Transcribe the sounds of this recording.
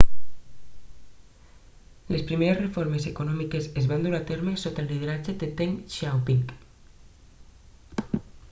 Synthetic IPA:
lespɾimeɾezrefoɾmesekonɔmikesezβand̪uɾat̪eɾmesot̪elːið̞eɾat͡ʃed̪et̪eŋʃawpiŋk

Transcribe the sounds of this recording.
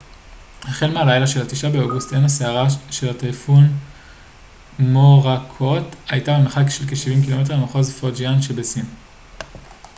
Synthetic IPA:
haχelmealajlaʃe̞lhatiʃabeoɡustenaseaʁaʃe̞latajfun | moʁakʰo̞tajtabemeχakʃelkeʃivimkilo̞me̞t̬emaχozfod͡ʒianʃebesim

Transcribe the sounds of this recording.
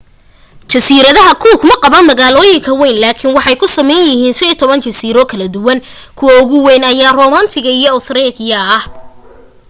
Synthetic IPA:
t͡ʃɐsiːɾɐðɐɦɐkʰuːkmɐqɑβɐnmɐɣaːlɔːjɪŋkʰɐwɛjnlaːkʰɪnwɑħɑjkʰʊsɐmɛjnjɪɦiːnsɐit̪ʰɔβɐnt͡ʃɐsiːɾɔkʰɐlɐd̪ʊwɐn | kʰʊwɐʊɣʊwɛnɐjaːrɔːmant̪ʰɪɣɐijɔːt̪ɾɛðɪjɐɐh

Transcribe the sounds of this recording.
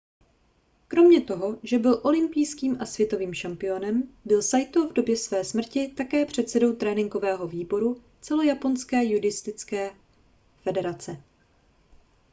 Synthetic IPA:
kɾo̞mɲɛt̪o̞ɦo̞ʒɛbɪlʔo̞lɪmpijskiːmʔasvjɛt̪o̞viːmʃampɪo̞nɛmbɪlsajt̪ovdo̞bjɛsvɛːsmr̩cɪt̪akɛːpr̝̥ɛt̪sɛdo̞wt̪ɾɛːnɪŋɡo̞vɛːɦo̞viːbo̞ɾu | t͡sɛlo̞japo̞nskɛːjudɪst̪ɪt͡skɛː | fɛdɛɾat͡sɛ

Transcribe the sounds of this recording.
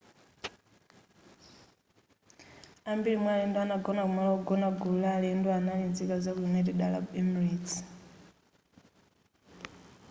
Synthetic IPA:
ambiɺimwɛalɛndɔanaɡɔnakumalauɡɔnaɡulalɛndɔanalind͡zikazakuimɛtɛɗala̰bemriːi̥

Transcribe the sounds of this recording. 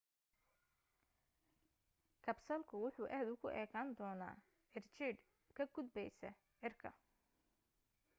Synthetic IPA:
kʰɐbsɐlkʰʊwʊħuːʔɛːd̪ʊkʰʊʔɛːkʰaːnd̪ɔːna̰ː | ʕɪrt͡ʃɪːd̪ | kʰɐɡʊd̪̚bɛjsɛ̰ | ʕɪrkʰɐ̰

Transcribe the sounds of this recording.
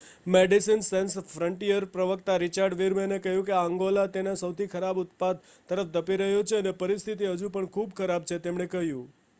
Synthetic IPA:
meɖisinsensfɾəɳʈijəɾpɾəʋəkt̪aɾit͡ʃaɾɖʋiɾmenekəɦjũkeaŋɡolat̪enasəwt̪ʰikʰəɾabʊt̪̚pad̪̚ | t̪ːəɾəfd̪əpiɾəɦjot͡ʃʰeənepəɾist̪ʰit̪iɦəd͡ʒũpəɳkʰubkʰəɾab̚t͡ʃʰet̪emɳekəɦjũ

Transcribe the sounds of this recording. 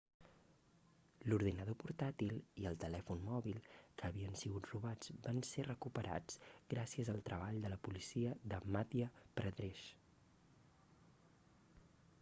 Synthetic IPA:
luɾðinəð̞opuɾt̪at̪ilˠiəlˠt̪əlɛfunmɔβilˠkəːβiənsiɣut̪ruβad͡zbanserəkupəɾa̰d͡zɡɾasiəzəlˠt̪ɾəβ̞aʎd̪ələpulisiəðəmat̪iəpɾəðɾeʃ

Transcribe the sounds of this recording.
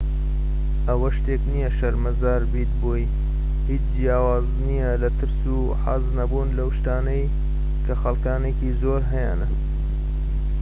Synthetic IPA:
ʔɐwɐʃt̪eknijɐʃɐɾmɐzaːɾbiːt̪boj | hiːt͡ʃd͡ʒijaːwaːznijɐlɐt̪ʰɨɾsu | ħaznɐbuːnlɐwʃt̪aːnɐj | kʰɐxɐlkaːneːkiːzoːɾɦɐja̰ːnɨn

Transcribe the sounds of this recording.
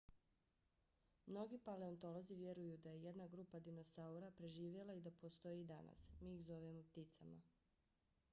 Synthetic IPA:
mno̞ɡipale̞o̞nt̪o̞lˠo̞ziʋje̞ɾujud̪aje̞je̞d̪naɡɾuːpad̪ino̞sauɾapɾe̞ʒiːʋje̞lˠaid̪apo̞st̪o̞jid̪ana̰smiːxzo̞ʋemop̚t̪it̪sama

